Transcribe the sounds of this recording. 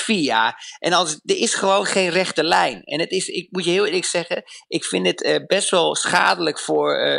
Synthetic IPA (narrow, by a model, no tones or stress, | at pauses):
fiaʔɛnɑlˠsdəɾɪsχəʋoːnχejnrɛχtəlɛjnɛ̰nətɪsɪk̚mutjəɦɪːlˠɪːləksɛɣəʔɪkfɪndɪtəbɛstʋɛlˠsχa̰ːdələkfʊːɹ